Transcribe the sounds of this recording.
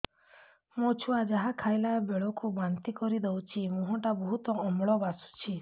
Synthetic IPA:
mot͡ʃʰuad͡ʒaɦakʰajlabeɭɔkubant̪ikɔɾid̪ewt͡ʃʰimuɦɔ̃ʈabɔɦut̪ɔːmɭɔbasu̥t͡ʃʰi

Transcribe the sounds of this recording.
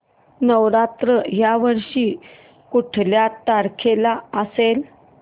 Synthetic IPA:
nəʋɾat̪ɾəɦjaʋəɾʂiː | kuʈʰljat̪aɾkʰelaəsel

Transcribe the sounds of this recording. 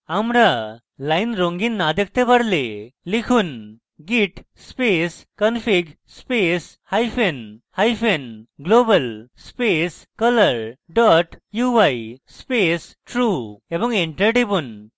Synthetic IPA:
amɾa | lajnɾõŋɡiːnːad̪ek̚t̪ẽbəɽlelikʰuːn | ɡiʈspeskənfiɡ | spes | hajfenhajfenɡlobəlspeskələɾɖɔʈjuʋajspes | ʈɾuebə̃ŋɡeɳʈəɾʈebuːn

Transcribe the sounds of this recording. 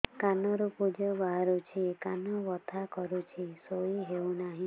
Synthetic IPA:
kanɔɾupud͡ʒɔbaɦaɾut͡ʃʰikanɔbɔt̪ʰakɔɾut͡ʃʰisoiɦewnaɦĩ

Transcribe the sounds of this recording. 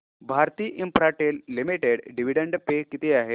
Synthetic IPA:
bʱaɾt̪iːʔimpɾaʈelːimiʈeɽɖiʋ̤iɽeɳɖpekːit̪iaɦe

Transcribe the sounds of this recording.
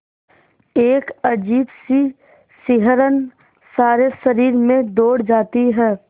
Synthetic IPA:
eːkəd͡ʒiːbsi | sɪɦəɾən | saːɾesəɾiːɾmẽd̪oːɽd͡ʒaːt̪iɦɛː

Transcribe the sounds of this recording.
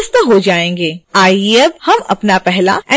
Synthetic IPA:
st̪ɦod͡ʒaːẽːŋɡeːaːieɐb̚hɐmɐ̰pnapɛɦla̰ɛ̃

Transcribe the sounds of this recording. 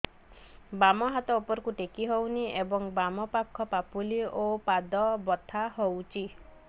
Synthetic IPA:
bamɔɦat̪ɔopɔɾɔkuʈekiɦowniebɔŋbamɔpakʰːɔpapuliopad̪ɔbɔt̪ʰaɦowt͡ʃʰi

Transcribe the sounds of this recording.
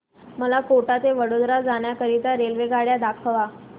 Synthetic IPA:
məlakoʈat̪eʋəɽod̪ɾad͡zaɳ̃jakəɾit̪aɾelʋeɡaɽjad̪akʰəʋa

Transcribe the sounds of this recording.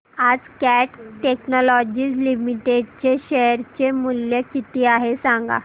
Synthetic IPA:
ad͡zkæʈʈeknɔlɔd͡ʑiːd͡zlimiʈeɖt͡ɕeɕeɾt͡ɕemuljəkit̪iːaɦesãŋɡa̰

